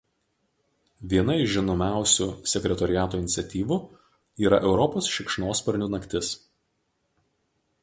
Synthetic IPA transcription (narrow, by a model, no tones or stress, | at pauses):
ʋʲiɛnɐɪʃʒʲɪnoːmʲæˑʊsʲuːsʲɛkʲɾʲɛt̪ɔɾʲɪjæːt̪oːɪnʲɪt̪sʲɛt̪ʲiːʋu | iːɾɐ̰ʔɛʊɾɔpoːsʃʲɪkʃnoːspɐɾʲnʲuːnɐkʲt̪ʲɪs